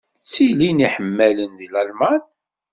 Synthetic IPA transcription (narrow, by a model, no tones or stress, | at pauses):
siliniħəmːælənðilælman